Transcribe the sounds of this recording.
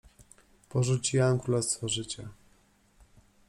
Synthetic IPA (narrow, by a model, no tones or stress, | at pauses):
pɔʐut͡ɕiwamkɾulɛst̪fɔʐɘt͡ɕa